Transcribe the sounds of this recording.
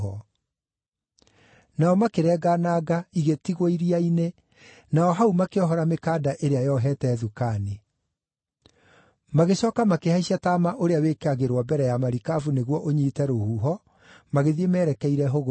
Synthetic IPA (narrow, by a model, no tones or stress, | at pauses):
ɔ | naɔmakeɾɛːɡanaːɡaiɣetiɣoiɾiaine | naɔɦaumakeɔɦɔɾamekaːdaʔeɾeajɔɦɛːtɛːðukaːne | maɣeɕɔːkamakehaiɕataːmaʔoɾeawekeaɣeɾwɔbɛɾɛjamaɾikavuneɣwɔʔoɲitɛɾohuːɦɔ | maɣeðiemɛːɾɛkɛiɾɛɦoɣ